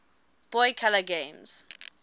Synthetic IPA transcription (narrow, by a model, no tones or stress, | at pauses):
b̥ɔjkʰaləɡẽmz̥